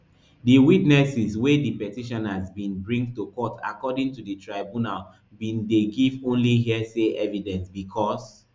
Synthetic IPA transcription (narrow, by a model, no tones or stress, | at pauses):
diwitnɛsizwedipɛtiʃɔ̃nhazbĩnbɹĩŋɡtukɔtʰa̰kɔdĩŋtuditʰɹaɪbũnal | bĩndeɡivõnliɦiɛseʔɛvidɛ̃nsbikʰɔs